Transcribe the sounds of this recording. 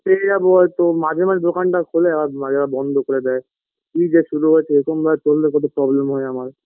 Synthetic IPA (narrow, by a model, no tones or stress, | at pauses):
peed͡ʑaboɦɔet̪omad͡ʑʱemad͡ʑed̪okanʈakʰoleɛbaaɛbabɔnd̪ʱokoɾed̪ɛe | kid͡ʑeʃuɾuɦoet͡ɕʰeeɾkʰombʱaet͡ɕolːekɔt̪̬opɾɔblemɦɔeamaɾ